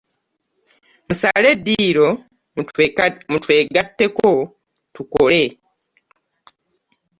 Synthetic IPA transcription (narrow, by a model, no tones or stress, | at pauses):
musaledːiːɾo̞ | mutweːɡatːe̞ko | tuko̞le̞